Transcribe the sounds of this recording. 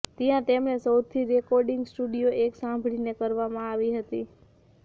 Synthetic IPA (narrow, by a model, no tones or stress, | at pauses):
t̪ijãt̪emnesəwt̪ʰiɾekɔɾɖiŋɡsʈuɖijoʔeksãmbʱɭinekəɾʋamãaʋiɦət̪i